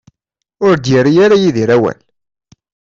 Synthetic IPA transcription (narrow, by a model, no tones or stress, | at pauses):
ʊɾd̪jəɾijaɾajiðiɾæwæ̰l